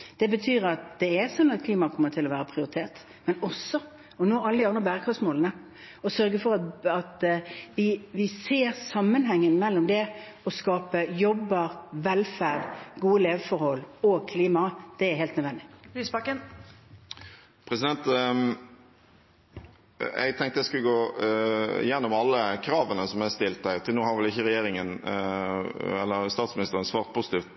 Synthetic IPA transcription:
d̪̥ɛbət̪ʰyːɾɑt̪̚d̪̥ɛæsɔnːɑt̪̚kʰliːmɑkʰɔmːəɾt̪ʰɪlːɔʋæːɾəpʰɾɪʊɾɪt̪ʰeːʁt̪ | mɛnɔsɔ | ɔnoːɑləd̪ɪɑnʁəbæːɾəkʰʁɑsmoːlənə | ɔsœɾɡəfɔɾɑɑt̪ʋɪʋɪseːɾsɑmːənɦɛŋːənmɛlːɔmd̪ɛ | ɔskɑːpəjɔbːɑɾʋɛlfæd̪ɡuːəleːʋəfɔɾhɔlːoːɡ̚kʰliːmɑd̪̥ɛæɾheːlt̪nœd̪ʋɛnd̪ɪiːsbɑkən | pʰɾɛsɪd̪ɛnt̪ | ɛ̰ɡt̪ʰɛŋkt̪əɛɪskʉləɡoː | jɛnːɔmɑlːəkʰɾɑːʋənəsɔmæɪst̪ɪlt̪æɪt̪ʰɪlnuːhɑɾʋɛlɪçəɾɛjeːɾɪŋən | ɛlːəɾst̪ɑːt̪smɪnɪst̪əʁənsʋɑːʁt̪̚pʰusɪt̪iːft̪

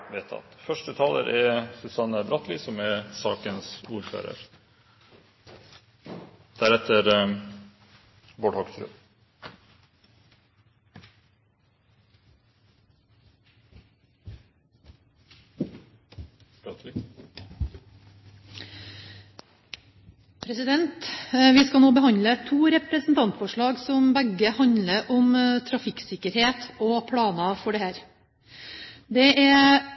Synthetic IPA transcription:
ʋeːt̪ʰɑ̰t̪fœʂʈət̪ʰɑːlə̰ɾʔɛsʉsɑnəbɾɑt̪ʰliːsɔmæsɑːkənsuːɾfø̰ːɾə̰ɾ | d̪̥æɾɛt̪ʰəɾ | boːɖhɔksɾø̰ː | pʰɾɛsɪd̪ɛnt̪ʋɪskɑnoːbəhɑnlət̪ʰuːɾɛpɾəsn̩t̪ʰɑnt̪fɔʂɭɑːɡsɔmbæɡəhɑɲləɾʔɔmt̪ʰɾɑfɪksɪkəɾheːt̪ʰoːpʰɽɑːnɑfɔɖɛːhæːɾ | d̪ɛʔɛ

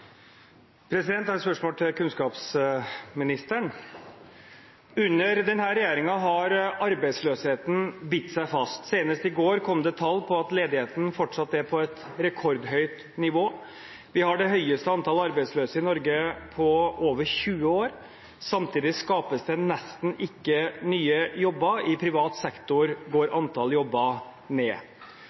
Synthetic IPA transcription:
pʰɾɛsɪd̪ɛnt̪æɾspœʂmoːlt̪ʰɪkʉnskɑːpsmɪnɪst̪əɳ | ʉnːəɾd̪ɛnhæːɾɛjeːɾɪŋɑɦɑɾɑɾbæɪsløːsheːt̪n̩bɪt̪ːsæɪfɑst̪seːnəst̪ɪɡoːɾkʰɔmd̪ɛt̪ʰɑlpʰɔɑt̪leːd̪ɪheːt̪ənfɔʈʂɑt̪ːəæpʰɔɛt̪ | ɾɛkʰɔɾd̪ɦœʏt̪ | nɪʋoː | ʋɪhɑɖɛɦœʏəst̪əɑnt̪ʰɑlɑɾbæɪsløːsəɪnɔɾɡəpʰɔoːʋəɾɕʉːəoːɾ | sɑmt̪ʰiːd̪ɪskɑːpəsd̪ɛnɛst̪n̩ɪkːənyːəjɔbːəɪpʰɾɪʋɑːt̪sɛkt̪ʊɾɡoːɾʔɑnt̪ʰɑljɔbːə | neː

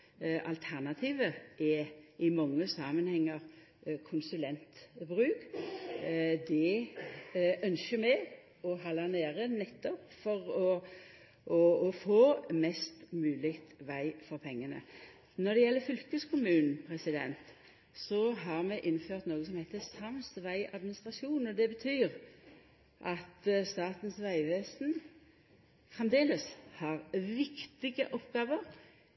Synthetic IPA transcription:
ʔɑ̰lt̪ʰæʁnɑt̪ʰiːʋəʔɛʔɪmɑŋːəsɑːmənhɛŋːəʁ | kʰʊnsʉlɛnt̪bʁʉːk | d̪ɛ | œnʃəmɛ | ɔɦɑlɑneːɾənɛt̪ːɔpfɔʁɔ | ʔɔːfoːmɛst̪mʉːlɪkt̪ʋæɪfɔɾpʰɛŋːənə̰ | nɔd̪ɛjɛlːəfʏlkəskʰʊmʉːnn̩pʰʁɛsɪd̪ɛ̰nt̪ | sɔɦɑʁmɛʔɪnːføːʁt̪noːɡəsɔmhæɪt̪əsɑmsʋæɪɑd̪mɪnɪst̪ʁɑʃuːn̩ɔd̪ɛbət̪ʰyːʁ | ʔɑt̪st̪ɑːt̪n̩sʋæɪʋeːsn̩ | fʁɛmd̪eːləshɑʁʋɪkt̪ɪɡə̰ʔɔpɡɑːʋəʁ

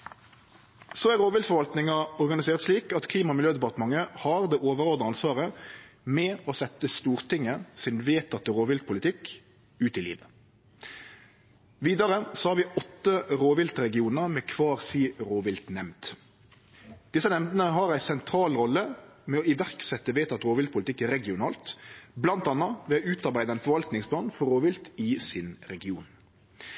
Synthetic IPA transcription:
soːæʁoːʋɪlt̪fɔɾʋɑlt̪nɪŋɑɔʁɡɑnɪseːʁət̪ʂliːkɑt̪kʰliːmɑmɪljøːd̪ɛpɑʁt̪əmɑŋəhɑʁd̪eːʔoːʋəɾoːd̪ɑɑnsʋɑːʁəmɛɔsɛt̪ːəst̪uːʁt̪ʰɪŋːəsɪnʋeːt̪ʰːɑt̪ːəɾoːʋɪlt̪̚pʰʊlɪt̪ʰɪk | ʉːt̪ɪlḭːʋə | ʋiːd̪ɑɾəsɑːʋiːɔt̪ːəɾoːʋɪlt̪ɾɛɡɪuːnəɾmɛkʰʋɑːʁsiːɾoːʋɪlt̪nɛmd̪̥ | d̪̥ɪsənɛmd̪ənəɦɑɾæɪsɛnt̪ʰɾɑːlʁɔlːəmɛɔɪʋæʁksɛt̪ːəʋeːt̪ɑt̪əɾoːʋɪlt̪̚pʰʊlɪt̪ɪkɾɛɡɪʊnɑːlt̪blɑnt̪ɑnɑʋɛːɔʉːt̪ɑɾbæɪd̪əɛɪnfɔɾʋɑlt̪nɪŋsblɑːnfɔʁɾoːʋɪlt̪ɪsɪnɾɛɡɪuːn

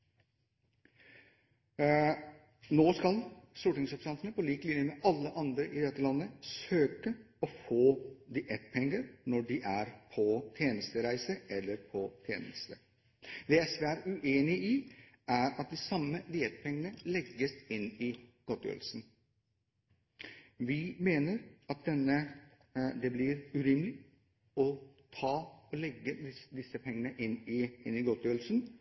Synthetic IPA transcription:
noːskɑlst̪uːʈɪŋsɔpsɑnt̪ənəpʰɔliːklɪnjəmɛʔɑlːəʔɑnd̪ɾəʔɪd̪ɛt̪ːəlɑnːəsøːkə | ɔfoːd̪ɪʔɛt̪pʰɛŋːəɾnɔɖɪʔæɾpʰɔt̪ʰjeːnəst̪əɾæɪsəɛlːəɾpʰɔt̪ʰjḛːnəst̪ə | d̪ɛːɛsʋɛæɾʉʔeːnɪʔɪ | æɾɑt̪̚d̪ɪsɑmːəd̪ɪɛt̪pʰɛŋːənəlɛɡːəsɪnɪɡ̥ɔt̪jø̰ːɾlsn̩ | ʋɪmeːnəɾɑt̪̚d̪ɛnːə | d̪ɛblɪɾʉɾɪmlɪ | ɔt̪ʰɑːɔlɛɡːəd̪ɪd̪ɪsəpʰɛŋːənəʔɪnɪɪnɪɡɔt̪jøːɾl̩sn

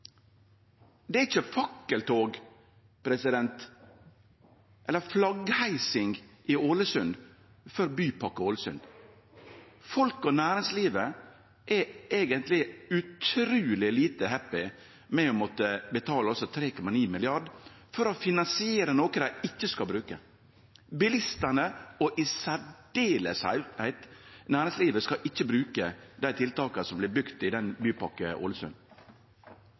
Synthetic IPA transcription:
d̪ɛɪçːəfɑkːəlt̪ʰoːɡ | pɾɛsɪd̪ɛnt̪ | ʔɛlːəflɑɡhæɪsɪŋɡʔɪoːləsʉnd̪ | fœɾbyːpɑkːəoːləsʉ̰nd̪̥ | fɔlkɔnæːɾɪŋsliːʋə | ʔɛeːɡənt̪lɪʉt̪ʰɾʉːlɪliːt̪əhɛpːɪ | mɛɔmɔt̪ːəbət̪ʰɑːləɔsɔt̪ʰɾeːkʊmɑniːmɪlɪɑɖ | fɔɾɔfɪnɑnsɪeːɾənoːkəd̪æɪɪçːəskɑlbɾʉːkə̰ | bɪlɪst̪ənəɔʔɪsæɖeːləshæ̰ɪhæɪt̪næːɾɪŋsliːʋəskɑʔɪçːəbɾʉːkəd̪æɪt̪ʰɪlt̪ɑːkəsɔmblɪbʏkt̪ɪd̪ɛnbyːpɑkəʔɔ̰ːləsʉ̰n

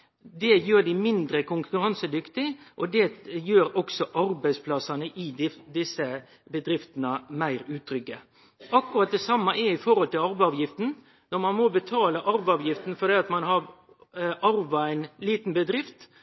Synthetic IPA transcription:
d̪ɛjøːɾɖɪmɪnd̪ɾəkʊŋkʉɾɑnsəd̪ʏkt̪ɪʔɔd̪ɛjøːɾɔksɔʔɑɾbæɪspʰlɑsɑnəʔɪɪd̪ɪsːə | bəd̪ɾɪft̪nəmæɪɾʉːt̪ʰːɾʏkːə | ɑkːʉɾɑt̪̚d̪ɛsɑmːɑʔɛɾɪfɔɾɔlt̪ɪlɑɾʋɑːʋjɪft̪n̩ | nɔɾmɑnmɔbət̪ʰɑːləʔɑɾʋɑːʋjɪft̪n̩fɔɾd̪ɛːɑt̪mɑnɦɑɾ | ʔɑɾʋɑæɪnliːt̪n̩bəd̪ɾɪft̪

